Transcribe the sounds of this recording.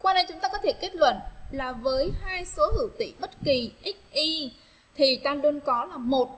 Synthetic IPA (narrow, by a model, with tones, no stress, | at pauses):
kwaː˧ne˧jt͡ɕʊ˨˦ŋ͡mt̪aː˧kɔ˨˦t̪ʰe˧˩ke˦˥t̚lwə̰˧˨nlaː˨˩vəː˨˦jhaː˧jso˨˦hɨ̰˧˩wt̪ḭ˧˨ɓə˦˥t̚ki˨˩ʔi˦˥k̚ʔi˧ | t̪ʰi˨˩t̪aː˧nɗu˧ənkɔ˨˦laː˨˩mo˨˩t̚